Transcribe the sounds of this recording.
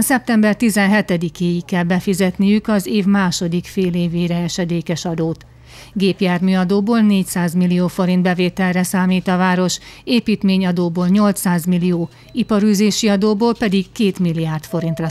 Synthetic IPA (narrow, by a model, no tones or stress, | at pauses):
sɛp̚t̪ɛmbɛrt̪izɛnɦɛt̪ɛd̪ikeːjikːɛlbɛfizɛt̪nijykɒzeːvmaːʃo̞d̪ikfeːleːveːɾɛɛʃɛd̪eːkɛʃɒd̪oːt̪ | ɡeːpjaːrmyɒd̪oːboːlneːcsaːzmilːijoːfo̞ɾind̪bɛveːt̪ɛlrɛsaːmiːt̪ɒvaːɾo̞ʃeːpiːt̪meːɲɒd̪oːboːlɲo̞lt̪saːzmilːioː | ipɒɾyːzeːʃiɒd̪oːboːlpɛd̪ikkeːt̪milːijaːrt̪fo̞ɾint̪rɒ